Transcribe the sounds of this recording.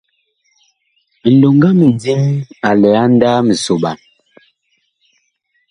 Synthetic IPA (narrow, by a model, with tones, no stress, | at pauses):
n̩˨do˨ŋɡa˦mi˨d͡zi˦ma˨lɛ˨a˦n˦daː˦mi˨so˨ɓa̰˨n